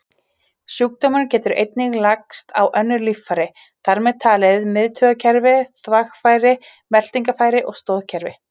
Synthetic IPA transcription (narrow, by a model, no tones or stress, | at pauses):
sjuk̚t̪oːmancɛːt̪ʏɾḛjt̪̚nɪɣlakst̪ʰa̰wʔœnːʏɾlifaɾɪ | θaɾmɛðt̪ʰaːlɪðmɪðt̪ʰœɣacʰɛɾvɪθvaxfaːjɾɪ | mɛl̥t̪iŋkafaːjɾɪʔɔɣst̪oːðcʰɛɾvɪ